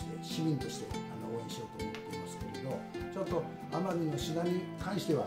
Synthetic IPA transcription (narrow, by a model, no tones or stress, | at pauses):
t̪eɕimʲĩnt̪o̞ɕi̥t̪e̞̰anooẽɕio̞t̪oːmot̪ːe̞imasɨ̥ke̞ɾe̞d̪o̞t͡ɕo̞t̪ːo̞ | amaɲ̟ĩnːoɕid̪aɲʲi | kãɰ̃ɕi̥t̪e̞βa